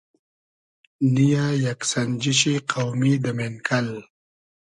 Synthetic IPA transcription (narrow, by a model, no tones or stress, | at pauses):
nijajaksand͡ʒiʃ̬iqawmid̪əmenkʰal